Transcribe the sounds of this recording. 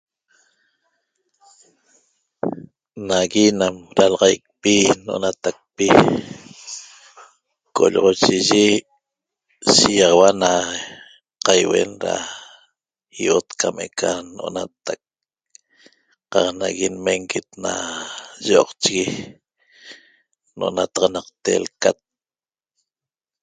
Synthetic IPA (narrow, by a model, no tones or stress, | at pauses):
naɣinamɾalɑʁɑjk̚pinʔo̰nat̪ak̚pi | ko̰ʎoʁot͡ʃiʒi | ʃijɑʁɑwana | qajwḛnɾa̰ | iot̪kʰamekʰanoʔonat̪ak̚ | qɑqnaɣinmeŋɡit̪na̰ʒoːqt͡ʃiɣi | nʔoʔonat̪ɑʁɑnɑq̚t̪ḛlkat̪̚